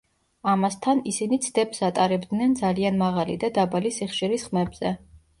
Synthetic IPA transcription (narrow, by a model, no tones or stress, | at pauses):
amast̪ʰanisinit̪sʰd̪ɛpsat̪ʼaɾɛbd̪nɛnd̪zalianmaʁalḭd̪ad̪abalisiχʃiɾisχmɛbz̥ɛ